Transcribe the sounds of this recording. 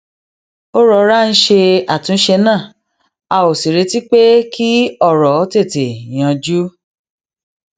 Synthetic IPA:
o˦ɾɔ˧˦ɾa˦n̩˦ʃe˧a˨tũ˧˦ʃe˧nãː˦˨ | a˧o˨si˨ɾe˧ti˦k͡pe˦ki˦ɔ˦˨ɾɔ˨˦te˦˨te˨j̃ã˧d͡ʒu˦

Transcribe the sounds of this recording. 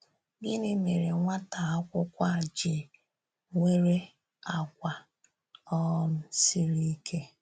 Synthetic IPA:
bi˦ni˦me˨ɾe˨ŋʷa˦ta˨a˦kʷʊ˦kʷa˦˨d͡ʒɪ˨ | ŋʷe˦ɾe˦ | a˨kʷa˨ | ɔ˦n̩˦si˦ɾi˦kʰe˦

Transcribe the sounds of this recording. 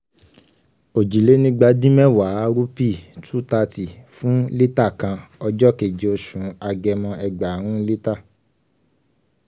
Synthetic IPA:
o˨d͡ʒi˨le˨˦nĩ˧ɡ͡ba˧dĩ˦mɛ̃˦˨wa˨˦ɾu˦pi˦˨tʰu˦ta˧ti˨fũ˨˦le˦ta˦˨kã˧ɔ˧d͡ʒɔ˦ke˨d͡ʒe˨o˧ʃũ˨˦a˧ɡɛ˧mɔ̃˧ɛ˧ɡ͡ba˨ɾ̃ũ˦le˦ta˦˨

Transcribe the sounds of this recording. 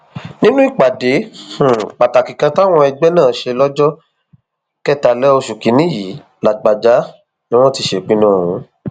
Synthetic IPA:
nĩ˦nũ˦i˦˨k͡pa˨de˨˦˨ | k͡pa˨ta˨kĩ˨kã˧ta˦w̃ɔ̃˧ɛ˧ɡ͡bɛ˦nãː˦˨ʃe˧lɔ˦d͡ʒɔ˦ | kɛ˦ta˧lɛ˦o˧ʃu˨kĩ˨˦nĩ˦ji˨˦ | la˨ɡ͡ba˨d͡ʒa˨˦ | nĩ˦w̃ɔ̃˦ti˧ʃe˨k͡pĩ˦nũː˦˨ũ˨˦

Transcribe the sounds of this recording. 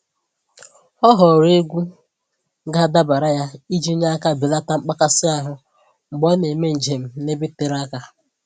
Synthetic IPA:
ɔ˦ɦɔ˨ɾe˦ɡʷu˦ | ɡa˦da˦ba˨ɾa˦ja˦i˦d͡ʒi˦ɲa˦ka˦bi˨la˦ta˦ŋ͡m̩˦k͡pa˦ka˦sɪ˦a˨ɦʊ˦ | ŋ͡m̩˨ɡ͡bɔ˦ne˨me˦n̩˨d͡ʒe˨m̩˨ne˦bi˦te˨ɾa˦ka˦

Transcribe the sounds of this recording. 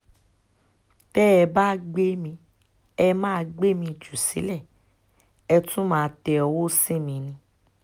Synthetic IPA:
b̥ɛː˦ɛ˧ba˦ɡ͡be˦mĩ˧ | ɛ˦mãː˦˧ɡ͡be˦mĩ˧˨d͡ʒu˨sḭ˨˦lɛ˦˨ | ɛ˧tũ˦mãː˦˧tɛ˧ɔ˧wo˦sĩ˦mĩ˧nĩ˧

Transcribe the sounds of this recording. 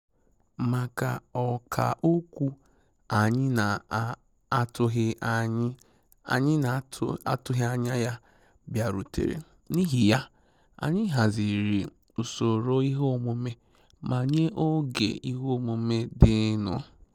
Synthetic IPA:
ma˨ka˨ɔ˨kʰa̰˨ʔo˦kʷu˦ | a˨ɲɪ˦na˨ | a˦˨tʊ˦ɦɪ˦˨ɲ˦ | a˨ɲɪ˦n˨a˦tʊ˦ɦɪ˦a˨ɲa˦ja˦ | bja˨ɾṵ˨tḛ˨ɾḛ˨ | ni˦ɦi˨ja˦ | a̰˨ɲɪ˦ɦa˨zi˨ɾi˨ | u˨so˨ɾo˦i˦ɦo˦˨mo˨me˦ | mʔa˨ɲe˦ʔo˦ɡḛ˨i˦ɦo˦˨mo˨me˦dɪ˦nʊ̰˨

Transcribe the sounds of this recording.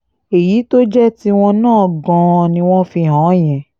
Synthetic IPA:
e˨ji˨˦to˦d͡ʒɛ˦ti˦w̃ɔ̃˧nãː˦˨ɡɔ̃˧nĩ˧w̃ɔ̃˦fi˧ɦãː˨˦j̃ɛ̃˨

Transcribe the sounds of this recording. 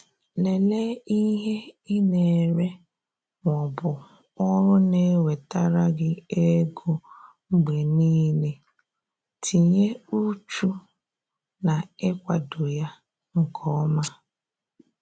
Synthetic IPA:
le˨le˦i˦ɦe˦i˦ne˨ɾe˦ | ŋʷɔ˨bʊ˨ | ɔ˦ɾʊ˦ne˦we˨ta˦ɾa˦ɡɪ˦e˦ɡo˦ | ŋ͡m̩˦ɡ͡be˨niː˦le˦ | tʰi˨ɲe˦u˦t͡ʃu˦ | na˨ɪ˦kʷa˨do˨ja˦ | ŋ̩˨kʰɔ˦ma˦

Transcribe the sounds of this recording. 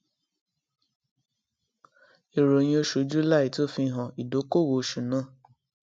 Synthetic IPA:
i˨ɾo˨j̃ĩ˧o˧ʃu˨˦d͡ʒu˦la˦˨i˨to˦fi˧˦ɦɔ̃˨i˨do˨˦ko˦˨wo˨˦ʃu˨nã˦˨

